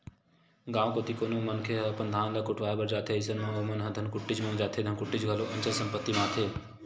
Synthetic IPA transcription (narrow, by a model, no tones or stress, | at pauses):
ɡãːõkoːt̪ʰikoːnomɐnkʰeɦɐpɐnd̪ʱaːnlɐkːʊʈʰʋaːebɐɾd͡ʒaːt̪ʰeɪsənmə̃ʋomɐnɦəd̪ʱənkʊʈːid͡ʒmɐ̃ːd͡ʒaːt̪ʰed̪ʱɐnkʊʈːid͡ʒɡʱəloʔɐ̃nt͡ʃəlsə̃mpət̪ːimaːt̪ʰeː